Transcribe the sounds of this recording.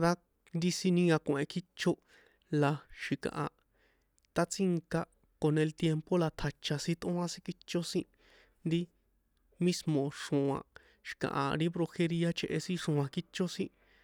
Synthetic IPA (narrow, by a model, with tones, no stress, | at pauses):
d̪a˦ | nd̪i˦sĩ˧nĩ˧˦ã˧kʷẽ˨˧ki˦t͡ʃo˦ | la˧ʃi˨kã̰˨ʔa˨ | t̪a˦t͡si˦ŋka˧ | ko˧nẽ˧lt̪je˧mpo˦la˧t̪ʰa˨˧t͡ʃa˧sĩ˧t̪ʔõ˦ã˧sĩ˦ki˦t͡ʃo˦sĩ˦ | nd̪i˦ | mĩ˦smõ˨ʂõ˨˧ã̰˨ | ʃi̥˨kã̰˨ʔa˨ɾi˦bɾo˧xe˧ɾi˦a˦t͡ʃe˦˧ʔe˧sĩ˦ʂõ˧ã˧ki˦t͡ʃo˦sĩ˦